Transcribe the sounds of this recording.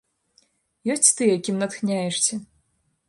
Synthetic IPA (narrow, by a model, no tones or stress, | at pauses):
jɔsʲt͡sʲt̪ɨjakʲimnɐt̪xnʲajɛʂt͡sʲɛ